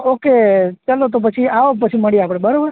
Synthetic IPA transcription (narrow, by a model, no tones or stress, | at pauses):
oket͡ʃəlot̪̬op̬ət͡ʃʰiaʋopət͡ʃʰiməɽiapɽ̃ebəɾobəɾ